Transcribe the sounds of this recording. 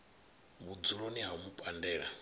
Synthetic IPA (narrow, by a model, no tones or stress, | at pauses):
βud͡zuɺoniɦamupʼandɛːɺa